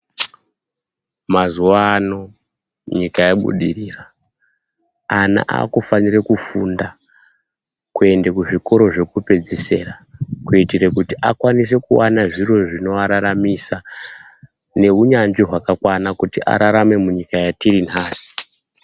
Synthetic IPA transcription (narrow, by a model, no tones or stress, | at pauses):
mazuwaːno̞ | ɲikajeɓṵɗiriːra | ana̰ʔa̰ːkufanirekufunda | kue̞ndekuʐiko̞ɾo̞ʐe̞kupe̞d͡zise̞rakuitirekutiʔakwanis̬e̞kuwanaʐiro̞ʐino̞ʋaɾaɾamisa | ne̞uɲand͡ʒiɦwakakwanakutiʔa̰ɾaɾame̞muɲikajatiɾinɦaːsi̥